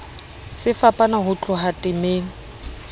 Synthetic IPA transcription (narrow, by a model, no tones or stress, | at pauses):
sɪfapʼanaɦʊt͡ɬʼʊɦatʼɪmeːŋ̩